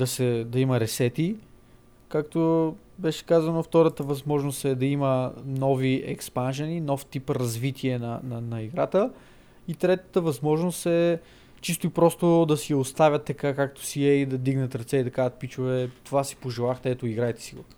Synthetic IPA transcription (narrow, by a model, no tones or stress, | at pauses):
d̪ɐsɛd̪ɐimɐɾɛsɛt̪i | kak̚t̪o | bɛʃɛ̥kazɐnoft̪ɔɾət̪əvɐzmɔʒnost̪ɛd̪ɐimənɔviʔɛ̰kspanʒɛninɔft̪ipɾɐzvit̪ʰiɛnɐnɐnɐiɡɾat̪ə | it̪ɾɛt̪ət̪əvɐzmɔʒnost̪ɛ | t͡ʃist̪oipɾɔst̪od̪ɐsijɐost̪avʲɐt̪ːɐkakak̚t̪o̥siɛid̪ɐd̪iɡnɐt̪ɾɐt̪sɛid̪ɐkazət̪̚pit͡ʃʊvɛt̪ovasi̥poʒɛlˠaxd̪ɛɛt̪oiɡɾajt̪ɛ̥siɡo